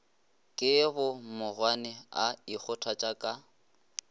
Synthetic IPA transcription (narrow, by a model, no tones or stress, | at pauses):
kʼɪbʊmʊrwanɪaik͡xʰʊtʰat͡ʃʼakʼa